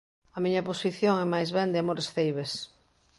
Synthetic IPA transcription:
ɐmiɲɐposiθjoŋɛmajzβɛnd̪ɪamoɾesθejβes

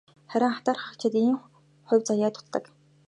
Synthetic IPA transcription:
χæɾʲɪ̆ŋχat̪aːrχə̆kt͡ɕʰɪ̆t̪iːŋ | χʊ̟wʲt͡sajaːt̪ʊ̥t̪ːə̆k

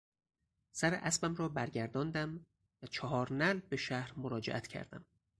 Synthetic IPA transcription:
sæɾḛʔæsbæmɾɒːbæɾɟæɾd̪ɒːnd̪æm | væt͡ʃʰɒɦɒːɾnælbe̞ʃæhɾmoɾɒːd͡ʒeʔæt̪ʰcʰæ̰ɾd̪æ̰m

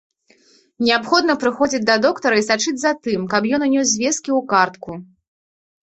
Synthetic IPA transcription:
nʲɛapxɔd̪nɐpɾɨxɔd͡zʲid͡zʲd̪ɐd̪ɔkt̪ɐɾɐisat͡ʂɨd͡zʲzat̪ɨmkɐpjɔnunʲɔsʲzvʲɛskʲiwkart̪ku

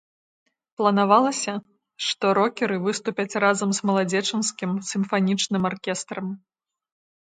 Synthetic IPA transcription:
plˠɐnavalˠɐsʲɐ | ʂt̪ɔɾɔkʲɛɾɨvɨst̪upʲɐt͡sʲrazɐmzmɐlˠad͡zʲɛt͡ʂɨnskʲimsʲɨmfanʲit͡ʂnɨmarkʲɛst̪ɾɐm

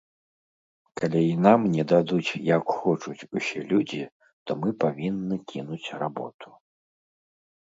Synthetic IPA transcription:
kalʲɛinamnʲɛd̪ad̪ut͡sʲjakxɔt͡ʂut͡sʲusʲɛlʲud͡zʲi | t̪ɔmɨpavʲinːɨkʲʰinut͡sʲrabɔ̰t̪u̥

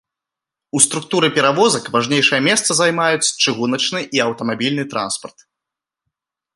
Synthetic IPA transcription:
ust̪ɾuk̚t̪uɾɨpʲɛɾavɔzɐkvaʐnʲejʂɨjɐmʲɛst̪sɐzajmajut͡sʲt͡ʂɨɣunɐt͡ʂnɨʔiɐwt̪ɐmabʲilʲnɨt̪ɾa̰nspɐrt̪̚

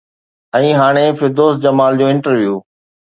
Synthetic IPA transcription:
ɛ̃ːɦaːɽ̃efɪd̪oːsd͡ʑɐmaːld͡ʑoːɪ̃ɳʈəɾʋjuː

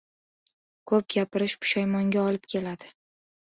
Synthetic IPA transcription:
kʰɵp̚ɡʲapɪɾɪʃpʊ̥ʃajmɒŋɡʲaɒlɪp̚kʲʰe̞lad̪ɪ

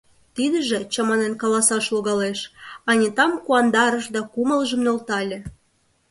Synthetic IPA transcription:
t̪id̪ə̆ʒĕt͡ɕɑmɑnenkɑlɑsɑʃloɣɑleʃɑnʲit̪ɑmkuɑnd̪ɑɾə̆ʃd̪ɑkumə̆ləʒə̆mnolt̪ɑlʲĕ

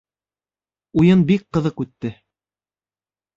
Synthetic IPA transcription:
ujɤnbik̚qɤ̆ðɤqʉt̪ːɘ

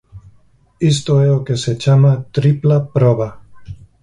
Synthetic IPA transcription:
ist̪oeokeset͡ʃamat̪ɾiplapɾoβa

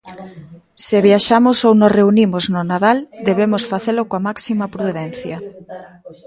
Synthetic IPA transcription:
sɪβjaʃamʊsownosreunimʊznʊnaðald̪eβemʊsfaθelʊkoamaksimɐpɾuðɛn̟θjɐ

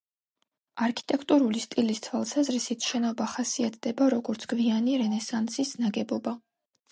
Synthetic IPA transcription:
aɾkʰi̥t̪ʼɛkʰt̪ʼuɾulist̪ʼilist̪sʰwalˠsazɾisit̪ʰʃɛnɔbaχasiat̪ʰd̪ɛbaɾɔɡɔɾt̪sʰɡ̥vianiɾɛnɛsant̪sʰisnaɡɛbɔba

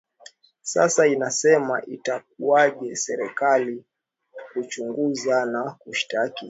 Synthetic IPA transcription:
sa̰sainasɛma̰ʔitak̚uaʄɛsɛɾɛkali | kut͡ʃuŋɡuzanakuʃtaki

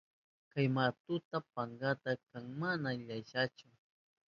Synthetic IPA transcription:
kajmat̪ʊt̪apaŋɡat̪akaŋmanaʎajʃat͡ʃʊ

